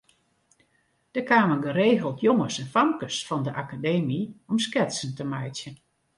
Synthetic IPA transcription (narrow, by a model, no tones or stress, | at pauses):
d̥əkaːməɡəɾeːɣəlˠtʰjɔŋəsɛnfamkəsfɑndəʔakadeːmiɔmskɛtsən̩təmɛjtjən